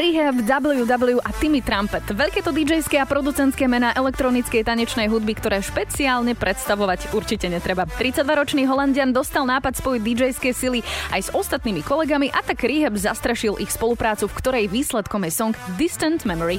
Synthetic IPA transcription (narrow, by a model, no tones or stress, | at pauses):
ɾiɦɛbd̪abl̩jud̪abl̩juʔat̪imit̪ɾampɛt̪ʋɛʎkɛːt̪ɔd̪id͡ʒɛjskɛapɾɔd̪ut͡sɛnt̪kɛːmɛnaːʔɛlɛk̚t̪ɾɔnit͡skɛjt̪aɲɛt͡ʃnɛjɦud̪bikt̪ɔɾɛːʃpɛt͡siaːlɲɛpɾɛt̪st̪aʋɔʋacuɾt͡ʃicɛɲɛt̪ɾɛbat̪ɾit̪t͡sad̪ʋaɾɔt͡ʃniːɦɔlanɟɪand̪ɔst̪alˠnaːpat̪sʋɔjd̪id͡ʒɛjskɛjsiliajzɔst̪at̪niːmikɔlɛɡamiʔat̪aɡɾiɦɛbzast̪ɾɛʃilʔixspɔlupɾaːt͡sufkt̪ɔɾɛjʋiːslɛt̪kɔmjɛsɔŋɡd̪ist̪ɛnt̪mɛmɔɾi